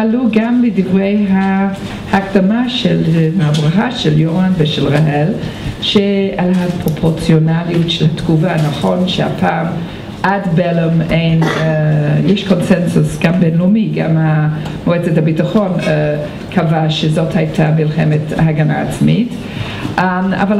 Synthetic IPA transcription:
aluɡambədivʁejɦa | hakdamaʃelhabʁaχaʃeljoʁanveʃelʁaɦelʃealhapʁopʰoʁt͡sjonaliutʃelhatɡuvanaχonʃeha̰pʰaːm | ʔadbelemeɪn | jɛʃkonsɛnsusɡambɛnlumiɡa̰mamoɛt͡sethabitaχon | kʰavaʃezothajtʰamilχemetahaɡanaːt͡smit | a̰val

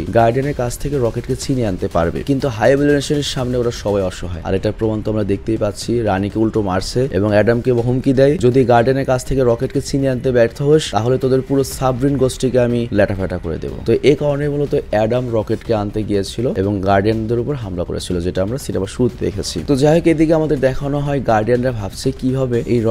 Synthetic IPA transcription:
iɡaɾɖieneɾkat͡ɕʰt̪ʰekeɾɔkeʈket͡ɕʰineant̪epa̰ɾbḛkint̪uɦajbelineʃoneɾʃamneoɾaɾʃɔbajɔʃoɦɔea̰ɾeʈaɾpɾomant̪oamɾad̪ek̚t̪ejpatːt͡ɕʰiɾanikeulʈomaɾt͡ɕʰeḛboŋɛɖamkeɦumkid̪ɛjd͡ʑod̪iɡaɾɖeneɾkat͡ɕʰt̪ʰekeɾɔkeʈket͡ɕiniant̪ebɛɾt̪ʰoɦoeʃt̪aɦolet̪od̪eɾpuɾosabɾinɡosʈikeamilɛʈafɛʈakoɾḛd̪ḛbo̰t̪oʔekaɾonebʱulot̪oɛɖamɾɔkeʈkeant̪eɡijet͡ɕʰiloeboŋɡaɾɖijand̪eɾupoɾɦamlako̰ɾḛt͡ɕʰilod͡ʑeʈaamɾasinemaʃuɾut̪ʰed̪ḛkʰet͡ɕʰḭt̪od͡ʑaɦeked̪ik̬eamad̪eɾd̪ɛkʰaonɔɦɔeɡaɾɖijanɾabʱabt͡ɕʰekibʱabeejɾɔ

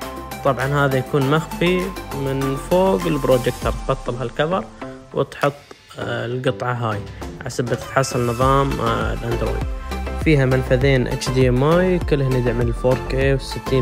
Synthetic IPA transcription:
t̪ˤɑbʕɑnhaːðajakuːnmaxfimɪnfoːɡɪlbɾoːd͡ʒɪkt̪ɑɾˤt̪bɑt̪ˤːɨlɦalkaðɑɾˤ | wɪt̪ħʊt̪ˤː | lɡɨt̪ˤʕɑɦaːjʕasabat̪ħɑsˤɪnːɨðˤɑːm̰lʔand̪ɾo̰ːjd̪̚fiːɦamɪlfaðeːnʔa̰t͡ʃd̪iːmaːjkɪlːhnːɪd̪ʕmɪlfoːɾkefsɪt̪ːiː

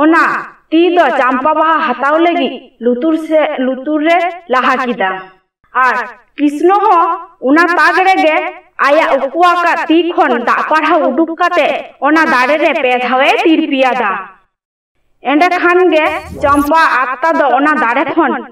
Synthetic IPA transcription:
ɔnat̪id̪ɔt͡ʃampabaɦaɦat̪awləɡit̪̚ˀlut̪uɾlut̪uɾːɛlaɦakid̪aː | ɾ | kisnɔɦɔ̃unat̪aɡɛɾɛɡɛajaʔukuwakat̪ikʰɔnd̪aʔpaɽɦauɖukkat̪ɛɔnad̪aɽɛɾɛpɛd̪ʱawɛt̪iɾpijad̪a | ɛɖɛkʰanɡɛt͡ʃampaʔat̪ːad̪ɔɔnad̪aɽɛkʰɔn

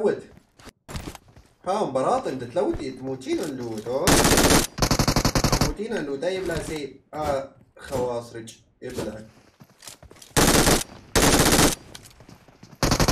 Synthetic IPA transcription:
wɪt̪ | haːʊmbɑɾˤɑːt̪ˤɨnd̪ɪt̪lawːt̪it̪muːt̪iːnanlut̪o | t̪muːt̪iːnanlud̪ajɪblazeːa | xɐwɑːsˤɾɪt͡ʃ | ɪblak

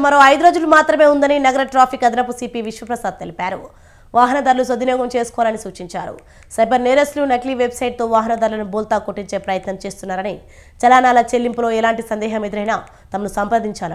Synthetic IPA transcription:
mɐɾo̞ːɐjd̪uɾo̞ːd͡ʒulumaːt̪ɾɐme̞ːund̪ɐninɐɡɐɾɐʈɾaːpʰikɐd̪inɐpusiːpiːʋiʂʋɐpɾɐsaːd̪̚t̪elipaːɾṵ | ʋaːɦɐnɐd̪ɐɾlus̬od̪ːinɔːɡɐmt͡ʃe̞ːsu̥kɔʋaːlɐnisuːt͡ʃiɲt͡ʃa̰ːɾṵ | sɐjbɐɾneːɾeslunɐʈliːʋebsɐjʈ̚t̪o̞ːʋaːɦɐnɐd̪ɐɾlɐnubuːlt̪aːkoʈːiɲt͡ʃe̞ːpɾɐjɐt̪nɐmt͡ʃe̞ːst̪unːaːɾɐni | t͡ʃɐlaːnaːlɐt͡ʃelːimpulo̞ːɛlaːɳʈisɐnd̪ɛːɦɐmiːd̪ɾɐjna | t̪ɐmɐnusɐmpɐd̪iɲt͡ʃaːlu

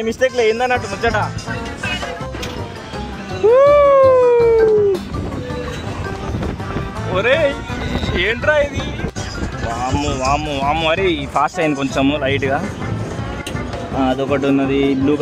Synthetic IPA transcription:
emist̪eːk̬leːjind̪ɐnːɐʈːumut͡ʃːɐʈaː | u | oɾeː | eːɳʈɾaːjid̪i | ʋaːmuʋaːmuʋaːmuʋɐɾeipʰaːsʈɐjnikoɲt͡ʃemulɐjʈɡaː | aɐd̪ɔkɐʈ̬unːɐd̪iluːk

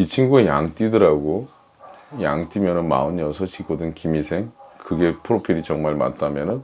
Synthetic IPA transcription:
it͡ɕʰiŋɡuejaŋt͈idɯɾaɡo | jaŋt͈imjʌnɯnma̰ɯɲʌsʰʌɕʰikʰodɯnkimisʰe̞ŋkɯɡe̞pʰɯɾopʰiɾit͡ɕʌŋmaɭma̰t͈ʰamjʌnɯn

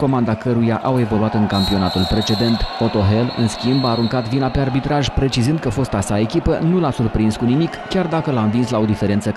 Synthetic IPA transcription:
ko̞mand̪akəɾujaʔawe̞vo̞luat̪ɨŋkampio̞nat̪ulpɾe̞t͡ʃe̞d̪e̞nt̪o̞t̪o̞ɦe̞lɨ̰nskʲimbaːɾuŋkat̪vinapearbit̪ɾaʒpɾe̞t͡ʃizɨnd̪̚kəfo̞st̪asae̞kʲipənulasurpɾinskunimikːʲard̪akəlamvinslao̞d̪ife̞ɾe̞nt̪sə

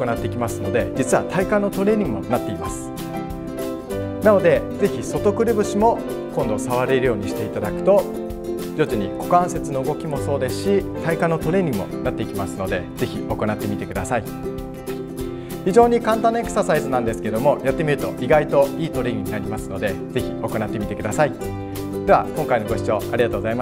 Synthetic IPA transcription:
oko̞nat̪ːe̞ikʲimasɨno̞d̪e̞d͡ʑit͡sɨβat̪ʰaikãnːot̪o̞ɾe̞ːɲ̟ʲĩŋɡɯmo̞nat̪ːe̞imasɨ̥ | nano̞d̪e̞d͡ze̞çʲiso̞t̪o̞kɯ̟ɾɯ̟bɯ̟ɕimo̞ | kõ̞nd̪o̞saβaɾe̞ɾɯ̟jo̞ːɲ̟iɕi̥t̪e̞it̪ad̪akɯ̟̥t̪o̞ | d͡ʑo̞t͡ɕiɲ̟iko̞kãɰ̃se̞t͡sɨno̞ɯ̟ɡo̞kʲimo̞so̞ːd̪e̞sɨ̥ɕit̪aikãnːo̞t̪o̞ɾe̞ːɲ̟ĩŋɯmo̞̰nat̪ːe̞ikʲimasɨno̞d̪e̞z̥e̞çʲio̞ko̞nat̪ːe̞mʲit̪ekɯd̪asai | çiʑo̞ːɲ̟ikãnt̪ãnːoekɯ̥sasaizɨnãnd̪esɨ̥ke̞d̪o̞mo̞jat̪ːe̞mʲiɾɯ̟t̪o̞ʔiɡait̪o̞iːt̪o̞ɾe̞ːɲʲĩɲinaɾʲimasɨno̞d̪e̞ze̞çʲio̞ko̞nat̪ːe̞mʲit̪e̞kɯ̟d̪asai | d̪e̞βakõŋkaino̞ɡo̞ɕi̥t͡ɕo̞̰ːaɾʲiɡat̪oːɡozaimas

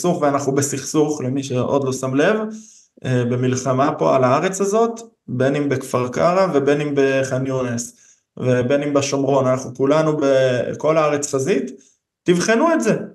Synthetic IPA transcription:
suχveanaχnubesiχsuχlemiʃ̬eʔo̞d̪lo̞samle̞v | ebe̞milχamapo̞̰a̰laaʁe̞t͡shazo̞t̪ | benimbekfaʁkaʁave̞be̞nimbe̞χanjunes | vebenimbeʃo̞mʁo̞nanaχnukulanubeko̞laaʁet͡sχazit̪ː | ivχenuetze

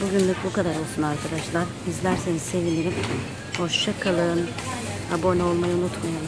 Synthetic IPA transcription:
buɟynlʲykbukad̪aɾolˠsunaɾkʰad̪aʃlˠaɾ | izlʲæɾse̞nizse̞viniɾim | ho̞ʃʃakʰalˠɯɯn | abo̞nao̞lˠmajaunut̪majalˠ

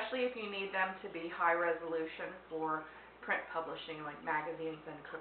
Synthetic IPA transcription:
ʃl̩ˠiɨfjɨnid̪̚ðɨ̃mtʰɨbihaɪɹɛzəlʉʃɨ̃nfə˞ | pʰɹ̥ɪ̃npʰʌbləʃɪ̃ŋlaɪk̚mæɡɨzĩnzɨ̃nkʰʊ

